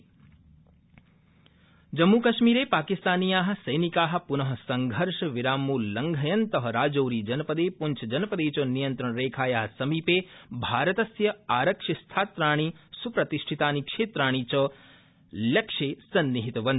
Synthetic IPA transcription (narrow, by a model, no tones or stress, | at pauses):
d͡ʒɐmːukɐʃmiːɾeːpaːkist̪aːnijaːɦɐ̆sɐjnikaːɦɐ̆punɐɦɐ̆sɐŋɡʱɐɾʃɐʋiɾaːmuːlːɐŋɡʱɐjɐnt̪ɐɦɐ̆ɾaːd͡ʒoːɾiːd͡ʒɐnɐpɐd̪eːpuɲt͡ʃʰɐd͡ʒɐnɐpɐd̪eːt͡ʃɐnijɐnt̪ɾɐɳɾeːkʰaːjaːɦɐsɐmiːpeːbʱaːɾɐt̪ɐsjɐaːɾɐkʂist̪ʰaːt̪ɾaːɳ̃iːsupɾɐt̪iʃʈʰit̪aːnikʂeːt̪ɾaːɳ̃iːt͡ʃɐ | lɐkʂeːsɐnːiɦit̪ʋɐn